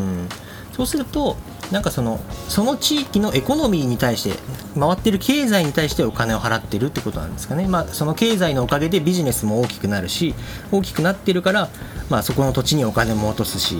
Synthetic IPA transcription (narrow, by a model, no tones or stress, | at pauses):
ɯ̃ː | so̞ːsɨɾɯ̟t̪o̞ | nãŋkaso̞no̞so̞no̞t͡ɕiːkʲino̞ʔe̞ko̞no̞mʲiːɲ̟it̪aiɕi̥t̪e̞̰ | maβat̪ːeɾɯ̟kʰe̞ːzaiɲ̟it̪aiɕi̥t̪eo̞kane̞o̞ɦaɾat̪ːe̞ɾɯ̟t̪ːeko̞t̪o̞nã̰nd̪e̞sɨ̥kanemaso̞no̞ke̞ːzaino̞ːkaɡe̞d̪e̞bʲiʑine̞sɨmo̞oːkʲi̥kɯ̟naɾɯ̟ɕi | o̞ːk̬ʲi̥kɯ̟nat̪ːe̞ɾɯ̟kaɾamaːso̞ko̞no̞t̪o̞t͡ɕiɲ̟io̞kane̞mo̞ːt̪o̞sɨ̥ɕḭ